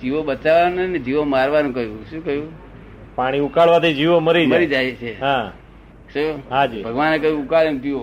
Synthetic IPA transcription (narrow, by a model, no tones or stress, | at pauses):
d͡ʒiʋoɓət͡ʃaʋanned͡ʒiʋomaɾʋanũkəɦjũʃũkəjũ | paɽ̃iukaɭʋat̪ʰid͡ʒiʋoməɾiməɾid͡ʒajt͡ʃʰeɦã | ʃuɦad͡ʒibʱəɡʋanekəjũukaɭent̪io